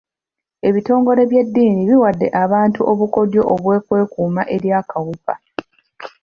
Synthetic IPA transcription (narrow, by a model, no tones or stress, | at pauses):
e̞βito̞ːŋɡo̞ɾe̞βje̞dːiːniβiwadːe̞̰ʔaβaːntuʔoβuko̞djo̞ʔoβwe̞ːkwe̞ːkuːmaʔe̞ɾjaːkʰawupa̰